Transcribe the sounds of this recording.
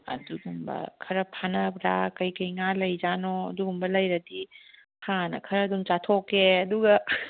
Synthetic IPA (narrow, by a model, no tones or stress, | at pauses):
ɐ̰duɡumbɐ̰kʰɐɾɐpʰanɐbɾakɐjkɐjŋalɐjd͡ʒanɔɐ̰duɡumbɐlɐjɾɐdi | hanɐ̰kʰɐɾɐːdumt͡ʃatʰokeɐduɡɐ